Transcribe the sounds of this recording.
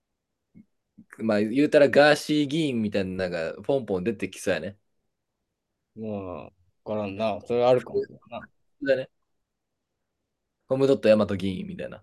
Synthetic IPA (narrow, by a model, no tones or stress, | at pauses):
maːjɯ̟ːt̪aɾaɡaːɕiːɡʲiĩmːʲit̪ainanãŋɡaɸõ̞mpõnd̪e̞t̪ekʲi̥saane | ma | kaɾãnːasoɾeβaːɾɯkana | od̪ane | ko̞mɯ̟d̪o̞t̪ːojamat̪o̞ɡʲiːḭ̃mːʲit̪a̰ina̰